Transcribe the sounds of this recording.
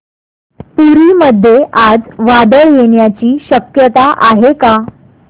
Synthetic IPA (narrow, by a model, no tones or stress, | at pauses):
puɾiːməd̪ʱːjeʔad͡zʋad̪əɭjeɳjat͡ɕiːɕəkjət̪aʔaɦeka